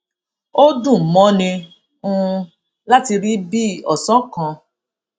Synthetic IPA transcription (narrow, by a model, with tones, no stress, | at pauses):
o˦dũ˦˨mɔ̃˨˦nĩ˧ | ũ˦˧ | la˦ti˧ɾi˦bi˦ɔ˨sɔ̃˨˦kã˨˧